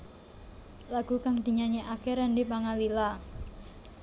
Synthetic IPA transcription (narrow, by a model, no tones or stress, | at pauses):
laɡ̥ṳkaŋd̪̥i̤ɲaɲiʔakɛɾɛndipaŋalila